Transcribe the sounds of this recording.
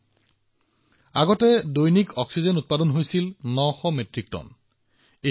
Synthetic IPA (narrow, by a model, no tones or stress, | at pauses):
aɡɔtɛdojnikʰɔksizenut̚padɔnɦojsilnɔxɔmetɹik̚tɔ̰n | e